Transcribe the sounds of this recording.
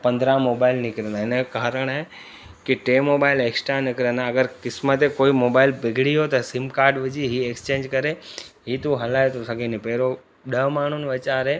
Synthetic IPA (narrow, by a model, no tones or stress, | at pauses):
pɐ̃nd̪ɾãmoːbaːɪlnɪkɾenaenəkaːɾəɽ̃ɦe | kiʈeːmoːbaɪleːksʈɾanɪkɾənaɐɡəɾkɪsmət̪ekoːimoːbaːilbɪɡʱɽiɦot̪ɐsɪmkaːɾɖʋɪd͡ʑiɦieːkst͡ɕẽːɲd͡ʒkɐɾeɦiːt̪uɦɐlaːet̪osɐɡenipeːɾo | ɗəmaːnɳ̤unʋɐt͡ɕaːɾɦeː